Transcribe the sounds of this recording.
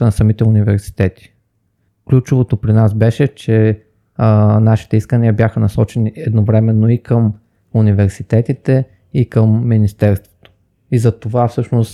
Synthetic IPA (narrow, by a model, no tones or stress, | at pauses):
ənɐsɐmit̪ɛunivɛɾsi̥t̪ɛt̪i̥ | klʲut͡ʃovot̪opɾinasbɛʃɛt͡ʃɛ | naʃi̥t̪ɛiskəniəbjaxənɐsɔt͡ʃɛniɛd̪novɾɛmɛnːoikəm | univɛɾsit̪ɛt̪it̪ɛ | ikəmːinist̪ɛɾst̪vo̥t̪o̥ | izɐt̪ovafsɤʃnos